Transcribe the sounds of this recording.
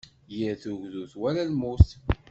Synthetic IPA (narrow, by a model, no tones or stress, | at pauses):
jəɾθuʝðuθwælælmust̪